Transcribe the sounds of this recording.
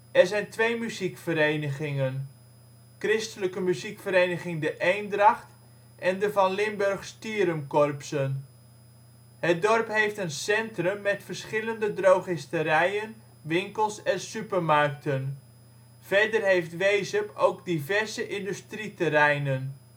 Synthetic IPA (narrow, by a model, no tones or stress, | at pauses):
ɛɹzɛjntʋejmyzikfəɾejnəχɪŋən | krɪstələkəmyzikfəɾejnəχɪŋdəʔejndrɑχt | ʔɛndəvɑnlɪmbøɹχstiːɾəmkɔrpsən | hət̚dɔrpɦejftənsɛntrəmːɛtfəɹsχɪləndədrowχɪstəɾɛjən | ʋɪŋkəlˠsɛnsypəɹmɑrk̚tən | v̥ɛɹdərɦejftʋejzəpo̰wɡdivɛɹzəʔɪndystritərɛjnən